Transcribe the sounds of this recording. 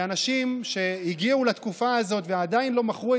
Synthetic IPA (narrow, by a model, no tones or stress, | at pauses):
anaʃimʃe̞iɡiulat̪kufaːzo̞t̪vead̪ainlo̞maχʁue